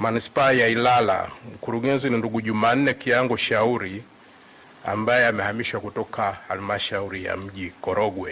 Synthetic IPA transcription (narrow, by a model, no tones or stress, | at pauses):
manispaːjailala̰m̩kuɾuɠɛnzininduɡuʄumaːn̩nɛkiaŋɡɔʃauɾi | a̰mbajɛamɛhamiʃwakutɔkʰahalimaʃauɾija̰m̩ʄikɔɾɔɡwɛ